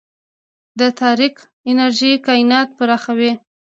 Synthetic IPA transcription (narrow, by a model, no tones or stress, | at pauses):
d̪ət̪ʰɑɾik | ɪnaɾʒikɑɪnɑt̪̚pəɾɑxawi